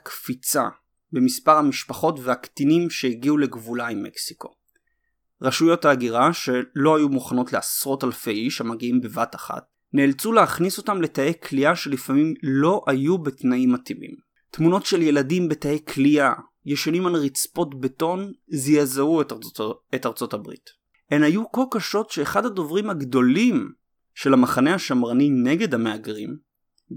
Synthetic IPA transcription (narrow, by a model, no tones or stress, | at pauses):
akfit͡sa̰ | be̞mispaʁhamiʃpaχo̞tveaktinimʃeiɡiule̞ɡvulaimːe̞̰ksi̥ko̞̰ | ʁaʃujo̞taːɡiʁaʃe̞lo̞ajumuχano̞tleasʁo̞talfe̞jiʃhamaɡiimbe̞vataχa̰t̚ | neːlt͡suleaχniso̞tamle̞taekʰliaʃe̞lifamimlo̞ʔajubetnaimatimḭm | tmuno̞tʃe̞lje̞ladimbe̞taekʰlia | jeʃanimalʁit͡spo̞tbeto̞nzejazauetetaʁt͡so̞tabʁḭt | enajuko̞lkaʃo̞tʃe̞ːχadhado̞vʁimhaɡdo̞lim | ʃe̞lamaχane̞haʃamʁanine̞ɡe̞dhame̞aɡʁḭm